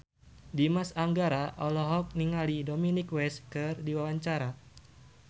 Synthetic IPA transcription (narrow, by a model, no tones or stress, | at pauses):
dimasaŋɡaɾaʔɔlɔɦɔk̚niŋalidominikwɛskɨrdiwawaɲt͡ʃaɾa